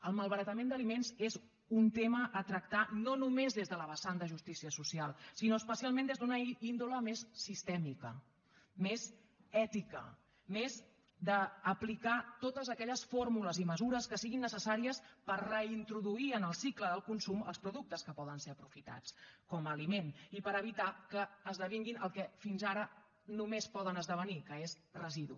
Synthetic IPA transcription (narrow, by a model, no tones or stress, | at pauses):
əlˠməlˠβəɾət̪əmend̪əlimenzez | unt̪eməʔːt̪ɾək̚t̪anonumezðezðələβəsand̪əʒust̪isiəsusialˠsinoəspəsialˠmẽnd̪ezd̪unəind̪uləmesːist̪ɛmikə | mez | ɛt̪ikə̰ | mez | d̪əːplikat̪ot̪əzəkɛʎəsformuləziməzuɾəskəsiɣinːəsəsaɾiəspəɾrəint̪ɾuðuiənəlˠsikləðəlˠkunsumə̰lˠspɾuðuk̚t̪əskəpɔðənseəpɾufit̪a̰t͡skɔməlimenipəɾəβ̞it̪akəːzðəβ̞iŋɡinʔəlˠkɛfinzaɾə | numespɔðənəzðəβ̞ənikəez | rəziðṵ